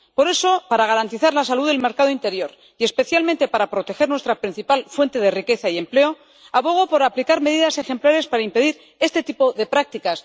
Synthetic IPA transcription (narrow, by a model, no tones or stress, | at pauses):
po̞ɾe̞so̞paɾaɣ̞aɾant̪iθaɾlas̬aluðe̞lme̞ɾkað̞o̞int̪e̞ɾjo̞ɾ | ie̞spe̞θjalment̪e̞paɾapɾo̞t̪e̞xe̞ɾnwest̪ɾapɾin̟θipalfwe̞nt̪e̞ðe̞rike̞θaie̞mple̞o̞ | aβo̞ɣ̞opo̞ɾaplikaɾme̞ðiðase̞xe̞mplaɾe̞spaɾaimpe̞ðiɾ | e̞st̪e̞t̪ipoðe̞pɾak̚t̪ikas